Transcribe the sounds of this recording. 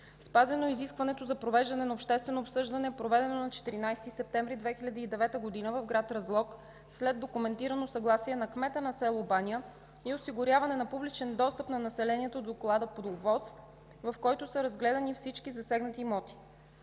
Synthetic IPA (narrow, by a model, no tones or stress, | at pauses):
spazɛnoiziskvɐnɛt̪ozɐpɾovɛʒd̪ɐnɛnɐopʃt̪ɛst̪vɛnoːpsɤʒd̪ɐnɛpɾovɛd̪ɛnonɐt͡ʃɛ̥t̪iɾinajst̪isɛp̚t̪ɛ̃ɱvɾid̪vɛxilʲəd̪iːd̪ɛvɛt̪əɡod̪inəvɐvɡɾat̪ɾɐzlˠɔk | slɛd̪ːokʊmɛnt̪iɾənosɐɡlˠasiɛnɐkmɛt̪ənɐsɛlˠobaniə | iosiɡʊɾʲjavɐnɛnɐpublit͡ʃɛnd̪ɔst̪əpnɐnɐsɛlɛniɛt̪od̪oklˠad̪əpod̪ovɔs | vɐfkɔjt̪osəɾɐzɡlɛd̪ɐnifsit͡ʃkizɐsɛɡnət̪imɔt̪i̥